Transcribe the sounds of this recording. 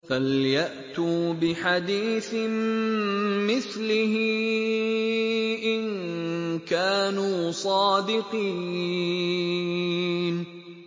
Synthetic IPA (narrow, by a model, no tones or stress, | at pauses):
faljaʔt̪uːbɪħad̪iːθɪm | mɪθlɪhɪ | ʔɪn | kaːnuːsˤɑːd̪ɪqiː | n